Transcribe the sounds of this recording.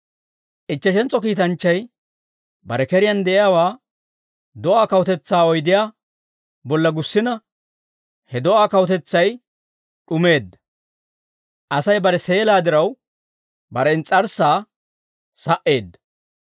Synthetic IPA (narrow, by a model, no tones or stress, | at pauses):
ʔɪt͡ʃːɐʃɛnt͡sʼːɔkiːt̪ɐnt͡ʃːɐj | bɐ̰ɾɛkɛɾɪjɐnd̪ɛʔɪjaːwaː | d̪ɔʔaːkɐwɔt̪ɛt͡sːaːɔjd̪ɪjaː | bɔlːɐɡʊsːɪnɐ | hɛd̪ɔʔaːkɐwɔt̪̬ɛt͡sːɐj | ɗʊme̞ːd̪ːɐ̥ | ʔɐsɐjbɐɾɛse̞ːlaːd̪ɪɾɐw | bɐɾɛɪnt͡sʼɐɾsaː | sɐʔe̞ːd̪ːɐ̥